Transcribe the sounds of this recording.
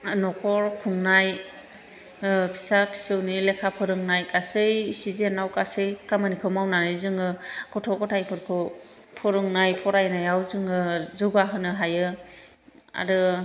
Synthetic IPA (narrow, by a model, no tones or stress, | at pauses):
nɔkʰɔɾkʰuŋnaj | pʰi̥sapʰi̥sɯwnilekʰapʰɯɾɯŋnajkasɯjsizenawkasɯjkamanikʰɯmawnanɯjzɯŋɯkɔtʰɔkɔtʰajpʰɯɾkʰɯw | pʰɔɾɯŋnajpʰɔɾajnajawzɯŋɯzɯɡaɦɯnɯɦajɯ | a̰ɾɯ